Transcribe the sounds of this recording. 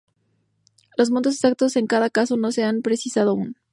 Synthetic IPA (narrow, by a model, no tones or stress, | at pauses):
lo̞zmont̪o̞s̬esak̚t̪o̞seŋkaðakaso̞no̞se̞ampɾe̞sisað̞oaun